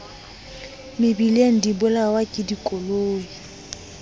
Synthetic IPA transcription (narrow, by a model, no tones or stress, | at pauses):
mɪbileŋ̩dibʊlawakʼɪdikʼoloːŋi